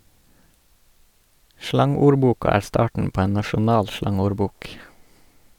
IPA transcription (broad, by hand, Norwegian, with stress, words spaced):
ˈʃlɑŋuːɾˌbuːkɑ ˈæːɾ ˈstɑːʈn̩ ˈpoː ˈeːn nɑʃʊˈnɑːl ˈʃlɑŋuːɾˌbuːk